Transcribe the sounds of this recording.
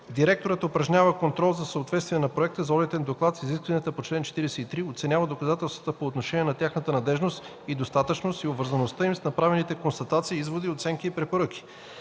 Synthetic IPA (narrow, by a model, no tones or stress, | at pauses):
d̪iɾɛk̚t̪oɾət̪opɾɐʒnʲavəkont̪ɾɔlˠzɐsəot̪vɛt̪st̪viɛnɐpɾoɛk̚t̪əzɔlit̪ɛnd̪oklˠat̪siziskvɐnijət̪əpot͡ʃlɛnt͡ʃɛ̥t̪iɾɛsɛit̪ɾiot̪sɛnʲavəd̪okɐzat̪ɛlˠst̪vət̪əpoːt̪noʃɛniɛnɐt̪ʲjaxnət̪ənɐd̪ɛʒnost̪ | id̪ost̪at̪ət͡ʃnost̪iobvəɾzɐnost̪əimsnɐpɾavɛnit̪ɛkonst̪ɐt̪at̪siːizvod̪iot̪sɛŋkiːpɾɛpoɾɤkʲi̥